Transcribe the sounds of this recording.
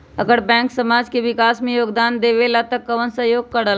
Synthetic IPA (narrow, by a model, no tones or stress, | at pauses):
əɡəɾbɛ̃ːŋksəmaːd͡ʒkeʋɪkaːsmẽjoːɡd̪aːnd̪eːʋelat̪əkːəʋənsəɦjoːɡ̚kəɽəl